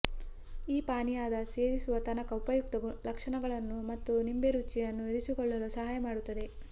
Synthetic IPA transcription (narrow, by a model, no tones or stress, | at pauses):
iːpaːnijaːd̪ɐse̞ːɾisuʋɐt̪ɐnɐkɐupɐjuk̚t̪ɐɡulɐkʂɐɳɐɡɐɭɐnːumɐt̪ːunimbeɾut͡ʃːijɐnːuiɾisikɔɭːɐlusɐɦaːjɐmaːɽut̪ːɐd̪e̞